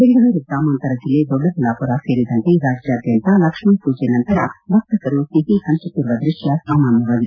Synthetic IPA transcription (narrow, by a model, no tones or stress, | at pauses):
b̪eɡɡɐʋɐɾuɡɾaːmɐːnt̪ɐɾɐd͡ʒilːeːd̪ɔɖːɐt̪ilaːpuɾaseːɾid̪ɐɳʈeɾaːd͡ʒjaːd̪jɐnt̪alɐkʂmɐpuːd͡ʒenɐnt̪ɐɾɐbʱɐk̚t̪ɐkɐɾut̪iɦisɐnt͡ʃɐkuɾʋɐd̪ɾuʂjɐsaːmaːnjɐʋaːɡ̪i